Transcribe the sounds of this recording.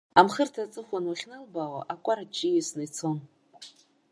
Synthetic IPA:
amχərtʰat͡sʼɨχʷanwaχʲnalbawa̰ʔakʷʼarat͡ʃʰʼːijisnɨjt͡sʰon

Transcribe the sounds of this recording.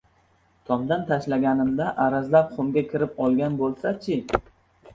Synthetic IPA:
t̪ʰɒmd̪ant̪ʰaʃlaɡʲanɪmd̪aʔaɾazlapχʰʊmɡʲakʲʰɪɾɪp̚ɒlˠɡʲanbolˠsat͡ʃʰɪ

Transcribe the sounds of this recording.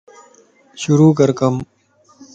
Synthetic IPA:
ɕuɾuːkɐɾkɐm

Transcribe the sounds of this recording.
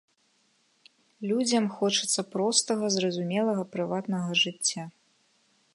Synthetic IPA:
lʲud͡zʲɐmxɔt͡ʂɐ̥t̪sːɐpɾɔst̪ɐɣɐzrɐzumʲɛlˠɐɣɐpɾɨvat̪nɐɣɐʐɨt͡sʲːa

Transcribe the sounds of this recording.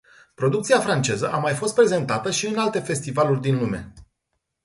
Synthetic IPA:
pɾo̞d̪uk̚t̪siafɾant͡ʃe̞zəʔamajfo̞st̪̚pɾe̞ze̞nt̪at̪əʃiɨnalt̪e̞fe̞s̬t̪ivalurʲd̪inlume̞̰

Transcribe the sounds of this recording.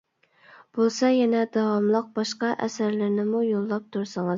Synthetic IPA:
b̥olˠsɛjɛnɛd̪ɑwɑmlˠəq̚bɑʃqɑʔɛsæɾlɪɾnɪmujolˠːɑp̚t̪ʰuɾsɨŋɨz

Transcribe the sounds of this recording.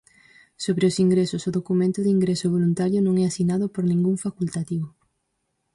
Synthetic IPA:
soβɾeosiŋɡɾesʊsoðokumẽnt̪ʊðɪiŋɡɾesʊβ̞olunt̪aɾjonõŋɛasinaðʊpoɾnĩŋɡuŋfakult̪at̪iβʊ

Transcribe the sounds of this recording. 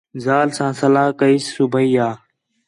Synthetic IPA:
zaːlsãːsəlaːkəiːssʊbʱəiːaː

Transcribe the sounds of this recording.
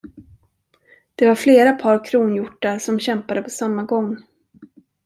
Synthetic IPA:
d̪̥ɛvaɾfleːɾapʰɑːɾkʰɾuːnjʊʈːaɾʂɔmɕɛmpad̪əpʰɔsamːaɡɔŋː

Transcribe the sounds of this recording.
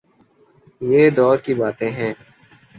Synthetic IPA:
jeːd̪ɔːɾkibaːt̪ẽːɦɛ̃ː

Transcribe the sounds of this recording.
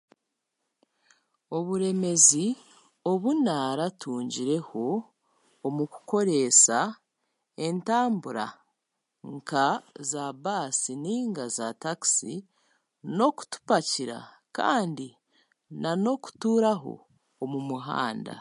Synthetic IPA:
o̞βuɾe̞me̞zi | oβunaɾatʰuːɲɟiɾe̞ho̞ː | muku̥ko̞ɾe̞sa | e̞ntaːmbuɾa̰ | ŋkazaβaːsiniːŋɡazataki̥sḭ | no̞ku̥tu̥paciɾa̰ | ka̰ːndi | nano̞ku̥tuːɾaɦo̞̰ː | mumuɦa̰ːnda̰

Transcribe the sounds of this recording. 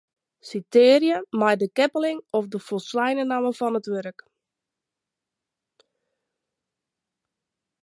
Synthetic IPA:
siteːrjəmajdəkɛpəlɪŋɔfdəfolslajnənaməfɔnətʋøɾək

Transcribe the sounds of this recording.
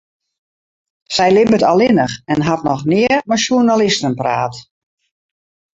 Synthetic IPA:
sɛjlɪbətalˠɪnəxɛnɦatnɔxnɪəmasjuənalɪstənpraːt

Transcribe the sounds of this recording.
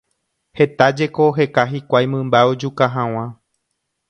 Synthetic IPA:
he̞t̪ad͡ʒe̞ko̞ɦe̞kaɦikʷajmɨ̃mbaod͡ʒukaɦãw̃ã

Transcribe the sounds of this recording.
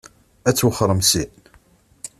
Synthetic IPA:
æt͡sːwəχəɾˤəmsiʕ

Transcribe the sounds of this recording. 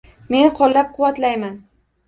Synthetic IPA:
me̞nqʰɒlːap̚qʰʊwat̪lajman

